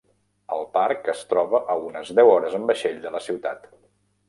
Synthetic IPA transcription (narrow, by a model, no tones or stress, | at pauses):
əlˠpaɾkəst̪ɾɔβəʔəunəzðɛwɔɾəzəmbəʃeʎd̪ələsiwt̪at̪